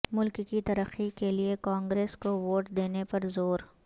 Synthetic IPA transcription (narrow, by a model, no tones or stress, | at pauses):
mʊlkkit̪ɐɾəxikeliekãːŋɡɾeːskoʋoːʈd̪eːnepɐɾzoːɾ